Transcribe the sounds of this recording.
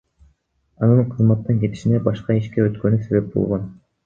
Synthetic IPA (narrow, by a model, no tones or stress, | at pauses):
ɑnɯɴqʰɯzmɑt̪ːɯnke̞t̪i̥ʃinebɑʃqɑiʃkeøt̪kø̞nyse̞βe̞p̚bo̰lˠʁon